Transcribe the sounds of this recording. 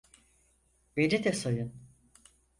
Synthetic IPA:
benit̪ʰɛsojun

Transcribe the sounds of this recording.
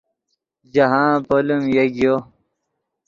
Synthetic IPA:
d͡ʑɐɦãːpolumjeɡjo

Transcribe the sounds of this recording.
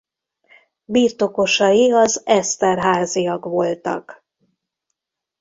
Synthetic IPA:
biːrt̪o̞ko̞ʃɒjiɒzɛst̪ɛrɦaːzijɒkʋo̞lt̪ɒ̰k

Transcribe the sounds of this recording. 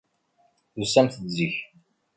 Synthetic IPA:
θusæmθəðziç

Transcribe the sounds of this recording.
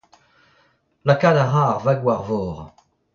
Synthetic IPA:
lakad̪aʁaʁvaɡwaʁvɔːʁ

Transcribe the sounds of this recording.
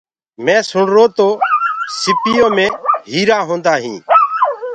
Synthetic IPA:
mɛ̃ːsʊɳɾoːt̪oːsɪpɪjõːmẽːɦiːɾaːɦõːnd̪aːɦḭ̃ː

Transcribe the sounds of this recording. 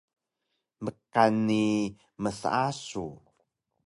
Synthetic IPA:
məkanːi | məsa̰asu

